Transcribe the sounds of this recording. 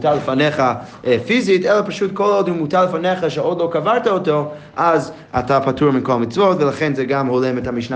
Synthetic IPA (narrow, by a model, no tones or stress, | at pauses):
talˠəfanɛχa | fizitɛlˠəpaʃutkʰolˠodhumutaɾlˠəfanɛχaʃɛɔdlˠokavaɾtaɔto | ʔaz | a̰tʰapatʰuɾmɪnkʰolˠmit͡svotvəlˠaχɛnzɛɡamholˠɛmɛtamiʃna